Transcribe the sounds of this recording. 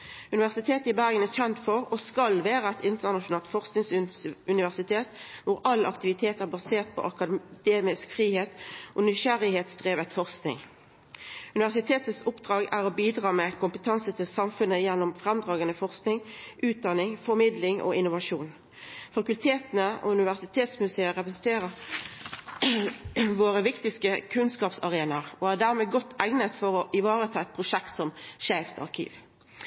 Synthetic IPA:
ʉnɪʋæʁsɪt̪ʰeːt̪əɪbæʁɡənæçɛnt̪fɔʁoːskɑlʋæːʁəɛt̪ɪnt̪əʁnɑʃʊnɑːlt̪fɔʁsknɪŋsʉnɪʋæʁsɪt̪ʰeːt̪ʋʊʁɑlːʔɑ̰kt̪ɪʋɪt̪ʰeːt̪əʁbɑseːʁt̪̚pʰɔ̰ʔɑkɑd̪̥eːmɪskfʁiːheːt̪ʔoːnʏʃæɾɪheːt̪sd̪ʁeːʋət̪fɔʁsknɪ̰ŋ | ʉnɪʋæʁsɪt̪ʰeːt̪əsʊpd̪̥ʁɑːɡæʁoːbiːd̪ʁɑːmɛkʰʊmpət̪ʰɑnsət̪ʰɪlsɑmfʉnːəjɛnːʊmfʁɛmd̪ʁɑːɡənəfɔʁsknɪŋʔʉːt̪̚d̪ɑnːɪŋfɔɾmɪd̪lɪŋʔɔ̰ɪnʊʋɑʂuːn | fɑkʉlt̪ʰeːt̪ənəɔ̰ʉnɪʋæʁsɪt̪ʰeːt̪smʉseːəʁɛpɾəsɛnt̪ʰeːʁəʁ | ʋoːʁəʋɪkt̪ɪskəkʰʉnskɑːpsɑʁeːnɑʁɔæʁd̪æːʁmeːɡɔt̪ʰːæɪnət̪fɔʁɔʔɪʋɑːʁət̪ʰɑːɛt̪̚pʰʁʊʂɛkt̪sɔmʃæːft̪ɑ̰ʁkʰḭːʋ

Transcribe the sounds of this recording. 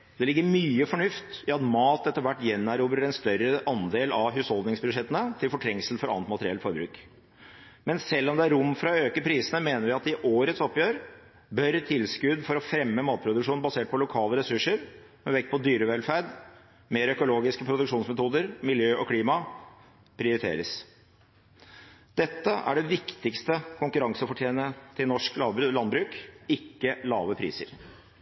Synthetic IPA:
d̪ɛlɪɡːəɾmyːəfɔɳʉft̪ɑɑt̪mɑːt̪ɛt̪ːəɾʋæʈːjɛnːæɾuːbɾəɾɛnst̪œɾəʔɑnd̪eːlɑʋɦʉːshɔlˠd̪nɪŋsbʉʂɛt̪ːənət̪ʰɪlfɔʈʰɾɛŋsl̩fɔɾɑ̰nət̪mɑt̪əɾɪɛlfɔɾbɾʉ̰ːk | mɛnsɛlːɔmd̪ɛæɾʊmːfɾɑøːkəpʰɾiːsənəmeːnəɾʋɪɑt̪ɪʔoːɾət̪sɔpːjøːɾ | bœɾt̪ʰɪlskʉd̪fɔɾɔfɾɛmːəmɑːt̪̚pʰɾʊd̪ʉkʂuːnbɑseːʈ̚pʰɔlʊkʰɑːləɾɛsʉʂəɾ | mɛʋɛkːpʰɔd̪yːɾəʋɛlfæɾɖ | meːɾœkʊloːɡɪskəpʰɾʊd̪ʉkʂuːnsmɛt̪ʰuːd̪əɾmɪljøːʔɔkʰliːmɑ | pʰɾɪʊɾɪt̪ʰḛːɾəs | d̪̥ɛt̪ːəʔæ̰ɖɛʋɪkt̪ɪkst̪əkʰʊŋkʉɾɑŋsəfɔʈʰjeːnət̪ʰɪlnɔʂkllɑnbɾʉːkɪkːəlɑːʋəpʰɾḭːsə̰ɾ

